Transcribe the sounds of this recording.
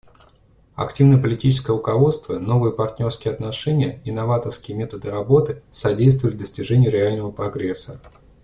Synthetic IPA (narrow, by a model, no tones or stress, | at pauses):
ɐ̰ktʲivnəjəpəlʲɪtʲit͡ɕɪ̥skəjəʊkɐvo̞t̪st̪vəno̞vɨjəpɐrt̪ʲnʲo̞rskʲɪjəɐt̪nɐʂɛnʲɪjəɪnɐvat̪ərskʲɪjəmʲe̞t̪əd̪ɨɾɐbo̞t̪ɨsɐdʲejst̪vəlʲɪvd̪əsʲtʲɪʐɛnʲɪjːɾʲɪalʲnəvəpɾɐɡɾʲesːə